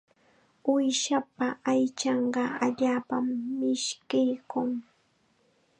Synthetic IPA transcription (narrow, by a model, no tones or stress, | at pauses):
ʊjʃapaajt͡ʃɑɴɢɑaʎaːpamːɪʃkɪjkʊŋ